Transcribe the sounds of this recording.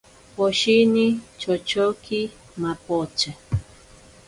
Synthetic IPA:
poʃinit͡ʃot͡ʃoki | mapot͡ʃa

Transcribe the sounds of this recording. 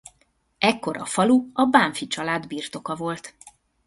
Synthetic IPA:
ɛkːo̞ɾʔɒ̰fɒluɒbaːɱfit͡ʃɒlaːd̪biːrt̪o̞kɒvo̞lt̪

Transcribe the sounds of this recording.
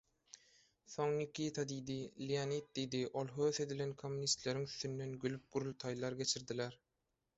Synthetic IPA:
θoŋnikit̪ʰɑd̪iːd̪ilijanit̪̚d̪ijd̪iʔolˠɦøːθe̞d̪ilenkʰomːunist̪leɾiŋyθːynːenɡylyp̚ɡ̥uɾulˠt̪ʰɑjlˠɑɾɡʲe̞t͡ʃʰiɾd̪ileɾ

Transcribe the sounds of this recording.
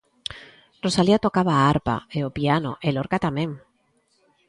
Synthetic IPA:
rosaliat̪okaβaaɾpa̰eopiano̰ʔeloɾkat̪amẽŋ

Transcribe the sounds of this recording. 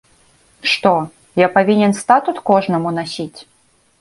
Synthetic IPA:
ʂt̪ɔ | japavʲinʲɛnst̪at̪ut̪kɔʐnɐmunasʲit͡sʲ

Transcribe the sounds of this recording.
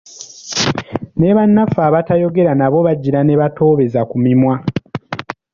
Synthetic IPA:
ne̞βanːafaːβatajo̞ɡe̞ɾanaβo̞βaɟːiɾane̞βato̞ːβe̞zakumimwa

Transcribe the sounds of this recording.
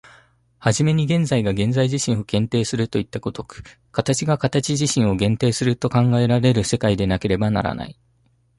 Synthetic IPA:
haʑime̞ɲ̟iɡẽ̞nzaiɡaɡẽ̞nzaiʑiɕĩɰ̃o̞ɡẽ̞nt̪e̞ːsɨɾɯ̟t̪o̞it̪ːako̞t̪o̞kɯ̟̥ | kat̪at͡ɕiɡakat̪at͡ɕiʑiɕĩɰ̃o̞ɡẽ̞nt̪e̞ːsɨɾɯ̟t̪o̞kãŋɡae̞ɾaɾe̞ɾɯ̟se̞kaid̪e̞nake̞ɾe̞bana̰ɾa̰na̰i

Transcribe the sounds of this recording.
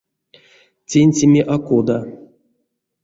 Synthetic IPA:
t͡sʲenʲt͡sʲemʲeʔakod̪a

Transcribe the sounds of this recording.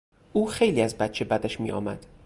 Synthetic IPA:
ʔuːxe̞jliːæzbæt̪t͡ʃʰe̞bæd̪æʃmḭːʔɒ̰ːmæd̪̥

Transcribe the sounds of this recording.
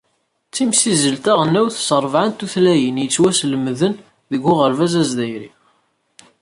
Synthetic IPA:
t͡sːimsizəlt̪æʁənːæwθsəɾˤvʕant̪uθlæjənjət͡sːwæsləmðən | ðəɡʊʁəɾvæzæzd̪æjɾḭ

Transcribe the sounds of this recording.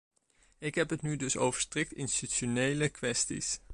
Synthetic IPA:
ɪkɦɛpɦətnydɵso̰wvəɹstrɪk̚tɪnstyʃonejləkʋɛstḭs

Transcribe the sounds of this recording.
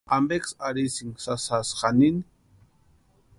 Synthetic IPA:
ʔambeksaɾisiŋsasasχanini

